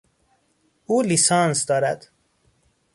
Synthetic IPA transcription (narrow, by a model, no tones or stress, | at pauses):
uːlisɒːnsd̪ɒːɾæ̰d̪̥